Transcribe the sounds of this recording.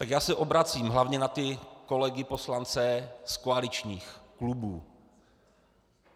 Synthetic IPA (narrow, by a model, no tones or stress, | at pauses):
t̪akjaːsɛʔobɾat͡siːmɦlavɲɛnat̪ɪko̞lɛɡɪpo̞slant͡sɛskoalɪt͡ʃɲiːxklubuː